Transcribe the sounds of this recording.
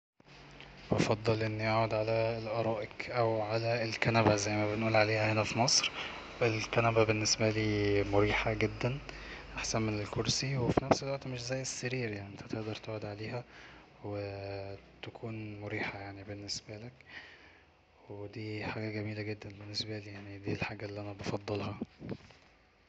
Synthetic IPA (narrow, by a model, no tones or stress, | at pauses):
bɑfɑd̪ˤːɑlʔenːiʔaʕod̪ʕalælʔɑɾˤɑːʔekʔæwʕalæelkænæbæzæjːmæbenʔuːlʕaleːhæhenæfimɑsˤɾ | ʔelkænæbæbenːesbæliːmoɾiːħaɡed̪ːænʔaħsænmenelkoɾsiwefinæfselwæʔt̪meʃzæjːesːæɾiːɾjaʕniʔent̪ʰæt̪eʔd̪ɑɾˤt̪oʕod̪ʕaleːhæ | we | t̪ækʰuːnmoɾiːħajaʕnibenːesbælek | wed̪iːħaːɡæɡæmiːlæɡed̪ːænbenːesbæliːjaʕnid̪iːlħaːɡæʔelːiʔænæbɑfɑd̪ˤːelhɑ